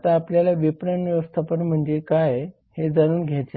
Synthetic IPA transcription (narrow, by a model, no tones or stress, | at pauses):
t̪aːpljalaʋipɾəɳʋjəʋəst̪ʰapəɳm̤əɳd͡zekaj | hed͡zaɾuːnɡʱat͡ɕa